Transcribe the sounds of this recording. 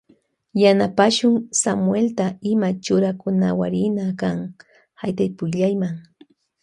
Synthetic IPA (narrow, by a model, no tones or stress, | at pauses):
janapaʃʊŋsamwelt̪aɪmat͡ʃʊɾakʊna̰wa̰ɾɪnakaŋ | hajt̪ajpʊjʎajmaŋ